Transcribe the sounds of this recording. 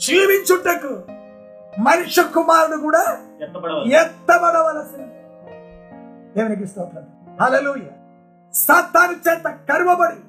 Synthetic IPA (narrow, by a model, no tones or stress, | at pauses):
d͡ʒiːʋiɲt͡ʃuʈːɐkːu | mɐnuʂɐkːumaːɾɐd̪uk̬uːɽa | jɛt̪ːɐbɐd̪ɐʋɐlɐsin | d̪eːʋɐnik̬ɾist̪ɐɐnt̪ɾɐn | ɦɐleːluːjaː | sɐːt̪ːaːnit͡ʃeːt̪ɐkɐɾuʋɐbɐɽi